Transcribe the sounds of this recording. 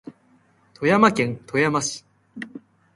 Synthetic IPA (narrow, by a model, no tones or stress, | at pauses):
t̪ʰo̞jamakẽ̞nt̪ʰo̞jamaɕi̥